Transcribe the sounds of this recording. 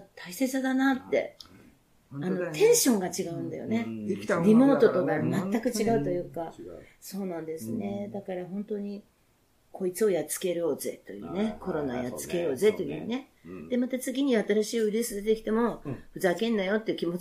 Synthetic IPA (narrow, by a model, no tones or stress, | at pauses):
t̪ʰaisesad̪anat̪ːe̞̰ | ano̞t̪ʰẽ̞ɰ̃ɕõ̞ŋɡat͡ɕiɡaɯ̟̃nd̪a̰jo̰ne̞ɾʲimo̞ːt̪o̞t̪okamat̪ːakɯ̟t͡ɕiɡaɯ̟t̪o̞jɯ̟ːka | so̞ːnãnd̪e̞sɨne̞d̪akaɾaɦõ̞nt̪o̞ɲ̟i | kʰo̞it͡sɨo̞jat͡sɨ̥ke̞ɾo̞ːze̞̰t̪o̞jɯ̰ːne̞ko̞ɾo̞na̰jat͡sɨ̥ke̞ɾo̞ːzet̪ojɯ̟̰ne̞d̪̥e̞mat̪at͡sɨɡʲiɲ̟iat̪aɾaɕiːoiɾʲisɨd̪e̞t̪e̞kʲi̥t̪e̞mo̞ɸɯ̟zakẽ̞nːajo̞t̪ːeiɯ̟kʲimo̞